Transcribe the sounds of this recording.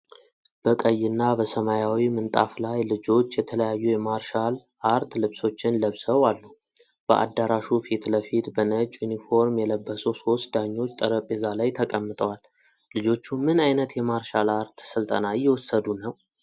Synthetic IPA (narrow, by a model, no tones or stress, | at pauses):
b̥əkʼəjːɪnːabəsəmajawimɨnt̪ʼa̰flajlɨd͡ʒo̞t͡ʃːjɛt̪ʰələjajːujɛmaɾʃalʔaɾt̪lɨβso̞t͡ʃːɪnləβsəwalːu | b̥əʔa̰d̪ːaɾaʃufit̪ləfit̪bənət͡ʃʼunifo̞ɾmjɛləbːəsəwso̞st̪d̪aɲːo̞t͡ʃːt̪ʼəɾəpʼezalajt̪ʰəkʼəmːɨt̪ʼəwal | lɨd͡ʒo̞t͡ʃːumɨnajnət̪jɛmaɾʃalaɾt̪sɨlt̪ʼənajɛwɔsːəd̪unəw